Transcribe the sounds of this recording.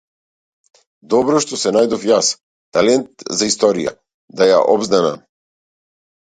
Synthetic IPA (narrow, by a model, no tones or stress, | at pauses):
d̪ɔbɾɔʃt̪ɔsɛnajd̪ɔfjas | t̪alɛnt̪zaist̪ɔɾija̰ | d̪aja̰ʔɔbzd̪anam